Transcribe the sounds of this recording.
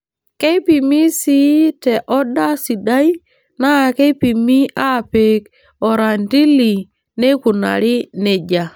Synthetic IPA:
ke˦pi˨mi˦si˦te˨ʔɔ˦da˦si˨da˦j | na˦˨ke˦pi˨mi˦ʔa˦˨pe˨k | ɔ˨ɾa˨nti˦li˨ | ne˦ku˨na̰˨ɾi˦ne˨d͡ʒa˨

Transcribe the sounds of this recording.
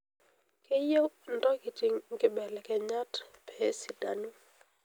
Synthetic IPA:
ke˦je˦ndɔ˦kɪ˨t͡ʃɪ˨ŋkɪ˦bɛ˨lɛ˨kɛ˨ɲa˦tpʰɛ˨˦si˨da̰˨nu˦

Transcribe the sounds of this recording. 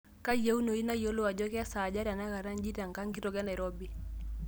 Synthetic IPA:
ka˦je˦u˦no˨i˦na˦jo˦lo˦wa˨d͡ʒɔ˦kɛ˦a˦sa˨d͡ʒa˦ɾa˨na˦ka˨ɾa˦nd͡ʒi˦ta˨ŋka˦ŋki˦tɔ˨ɡɛ˦na˨ɾɔ˦bi˨

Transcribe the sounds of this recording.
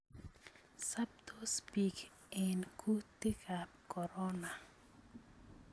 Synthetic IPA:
sa˦b̚t̪ʰo˦spi˨k | ɛ˨nkʰu˦tɪ˦kʰap̚kɔ˨ɾɔ˦na˨

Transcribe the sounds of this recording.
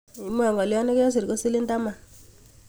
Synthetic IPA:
i˨˦m˦a˨ŋɡɔ˨ljɔ˦ne˦kɔ˦s̬i˨ɾko˦si˦li˦nda˦ma˨

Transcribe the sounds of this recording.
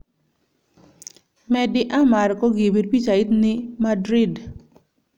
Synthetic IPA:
mɛ˨dɪ˦ʔa˦ma˨ɾkɔ˦ɡi˨bi˨ɾpi˦t͡ʃa˨i˦t̪nɪ˦madɾi˦d

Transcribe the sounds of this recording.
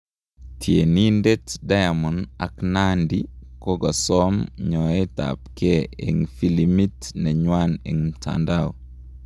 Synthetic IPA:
tʰje˨ni˦nde˦tda˦ja˨mɔ˨na̰˨kna˦ndikɔ˦ɡɔ˨sɔ˦mɲɔ˨ɛ˦ta̰˨pke˦ḛ˨ŋfi˦limi˦tnɛ˨ɲwanḛ˨ŋ̩tʰa̰˨ndaɔ

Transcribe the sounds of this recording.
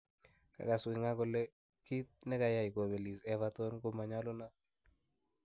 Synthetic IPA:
ka̰˨ka˨swɪ˨ŋa˦kɔ˨lɛ˦ | ki˦t̪̚nɛ˦ka˨ja˨i˨ko˨bɛ˨li˨sɛ˨va˦tɔ˦nko˦ma˨ɲa˦lo˦na˦

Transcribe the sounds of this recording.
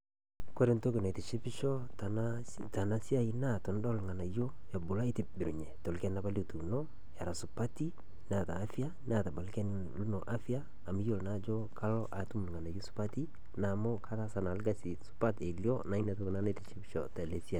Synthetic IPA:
kwe˦ɾe˨nto˦ku˨na˨te˨ʃi˦pi˦ʃɔ˦ta˨nta˨na˨si˦a˨i˦na˦tɔ˨n˦dɔ˦˨lŋa˨na˨jo˦ | ja˨bʊ˨la˦i˦tɪ˨bɪ˨ɾṵ˨ɲɛ˨to˨lkɛ˦nna˦ba˦lo˨tu˨nɔ˦ | ja˨ɾa˨su˨pa˦ti˦ | n˦a˨ta̰ː˨˦fi˦a˦n˦a˨ta˨ba˨lkɛ˦n | lu˦nɔ˨ʔa˦fi˦aː˦˨mi˦jo˦lna˦d͡ʒɔ˦kʰa˦lɔ˦ʔa˨tu˦m˨lu˨ŋa˨na˨jo˦su̥˦pa˦ti˦ | na˨mo˦kʰa˦ta˦sa˨na˨lɡa˨si˨su̥˦pa˦te˨ljɔ˦na˨i˦na˨to˦ku˨na˦na˦te˨t͡ʃi˦pi˦ʃɔ̰˨ta˨le˨si˦a˨

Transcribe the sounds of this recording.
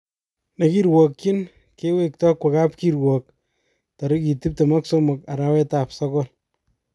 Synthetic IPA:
nɐ˨ki˦ɾwɔ˨kt͡ʃi˦n | ke˦we˦k̚tɔ˦kwe˨ka˦pki˨ɾwɔ˨k̚ | ta˨ɾɪ˦ki˨ti˦p̚tɐ˨ma˦kso˦mʊ˨ka˨ɾa˦wɛ˦ta˨psa˦kɔ˦l

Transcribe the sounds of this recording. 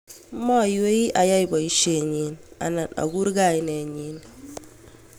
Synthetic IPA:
mɔ˦˨jwe˦i˦ʔa˨ja˦i˨bɔ˨i˦ʃe˨ɲi˨na̰˨na˨a̰˨ɡu˦ɾɡa˦˨i˨ne˨ɲi˨˦n

